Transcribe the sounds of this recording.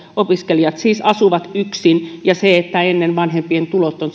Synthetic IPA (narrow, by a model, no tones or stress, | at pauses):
opiskeliɑt̪siːsɑsuʋɑt̪yksinjɑseet̪ːæenːenʋɑnhempient̪ulot̪ːon